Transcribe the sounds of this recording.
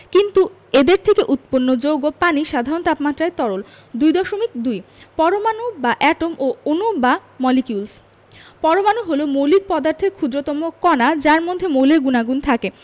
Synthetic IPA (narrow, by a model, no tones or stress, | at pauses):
kint̪u | ed̪eɾt̪ʰekeʔut̪̚ponːod͡ʑowɡopaniʃad̪ʱaɾont̪apmat̪ːɾaet̪ɔɽol | d̪ujd̪ɔʃomikd̪ujpɔɾomanobaʔɛʈomoonubamɔlikiuls | pɔɾomanoɦolomolik̚pɔd̪aɾt̪ʰeɾkʰud̪ɾot̪ɔmokɔnad͡ʑaɾmod̪ʱːemowleɾɡunaɡunt̪ʰake